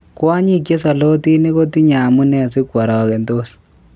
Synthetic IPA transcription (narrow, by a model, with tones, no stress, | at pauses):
kwa˦ɲi˦k̬je˦sɔ˨lo˦ti˦ni˦ko˦ti˦ɲa˨mu˦nɛ˨s̬i˦kwa˨ɾɔ˨kɛ˨ndo˦s